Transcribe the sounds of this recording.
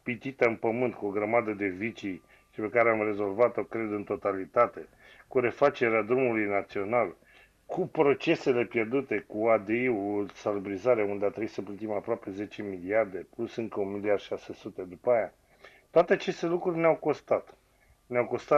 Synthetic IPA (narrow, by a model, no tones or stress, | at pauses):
pit̪it̪əɨnpəmɨnt̪kuo̞ɡɾəmad̪əd̪e̞vit͡ʃi | ʃipe̞kaɾeamre̞zo̞lvat̪o̞kɾe̞d̪ɨnt̪o̞t̪alit̪at̪e̞ | kuɾe̞fat͡ʃe̞ɾead̪ɾumulujnat̪sio̞nal | kʰupɾo̞t͡ʃe̞se̞le̞pje̞rd̪ut̪e̞kuad̪eiulsalbɾizaɾeund̪eat̪ɾebuisəplət̪imapɾoape̞ze̞t͡ʃe̞miliard̪e̞plusɨŋkəunmiliard̪ʃase̞sut̪e̞d̪upaːja | t̪oat̪e̞at͡ʃe̞st̪e̞lukɾurʲneawko̞st̪at̪ | neawko̞st̪a